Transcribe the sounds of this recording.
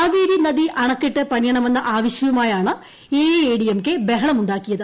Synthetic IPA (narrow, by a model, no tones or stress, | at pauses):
aːʋiːɾinɐðiʔɐɳɐkːiʈːɨpɐnjɐɳɐme̞nːɐʔaːʋɐɕjɐjɐmaːjaːɳɨ | eːeːɽijɐmkːebe̞ɦɐɳɐmuɳɖaːkːijɐðɨ